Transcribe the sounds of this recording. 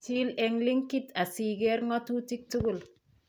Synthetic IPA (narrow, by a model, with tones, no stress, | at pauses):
ti˦lɛ˧ŋli˦ŋki˦ta˨si˨ɡɛ˦ɾŋɔ˦tu˦ti˦k̚tu˦ɡu˦˨l